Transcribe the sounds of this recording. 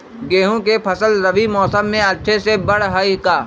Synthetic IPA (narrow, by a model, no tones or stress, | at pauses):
ɡeːɦõkepʰɐsəlɾɐʋimɔːsəmːẽɐtːʃʰesebɐɽ̤ɦəikaː